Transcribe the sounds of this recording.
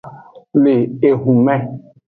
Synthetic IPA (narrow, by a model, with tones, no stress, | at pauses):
le˨e˨ɦũ˨mɛ̃˦